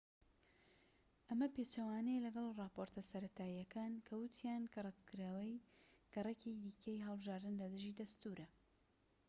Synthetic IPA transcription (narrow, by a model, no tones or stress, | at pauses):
ʔɐmɐpet͡ʃɐwaːnelɐɡɐlˠrɑːpoːɾt̪ʰɐsɐɾɐt̪ʰaːjɐkʰaːnkʰɐwɨt̪ʰijaːnkʰɐrˤɐt̪kɨɾawɐjkɐrˤɐked̪iːkʰejɦɐlˠbɨʒaːɾd̪ɨnlɐd̪ɨʒiːd̪ɐst̪uɾʔɐ